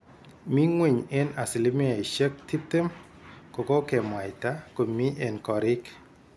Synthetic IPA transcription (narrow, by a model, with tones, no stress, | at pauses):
mi˦ŋwe˨ɲe˦na˨sɪ˨lɪ˦mɪ˦a˨i˨ʃə˦k̚ti˦p̚t̪e˦m | ko˨ko˦ke˨m˨a˨ɪ˨ta˦ko˨mi˦ʔɛ˨nkɔ˨ɾɪ˦k